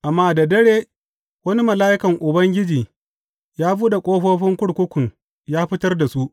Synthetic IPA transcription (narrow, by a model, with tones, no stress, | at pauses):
ʔa˨mːaː˦dɐ˨dɐ˦ɽeː˦ | wɐ˦ni˦mɐ˨laː˦ʔɪ˦kɐ˨ŋʔʊ˨bɐ˦ŋɡʲɪ˦d͡ʒiː˨ | jaː˦buː˦da˨kʷʼoː˦ɸoː˦ɸɪ˦ŋkʷʊ˦ɽkʷʊ˦kʷʊ˨ŋ | jaː˦ɸɪ˦tɐ˦rda˨su˦ʔ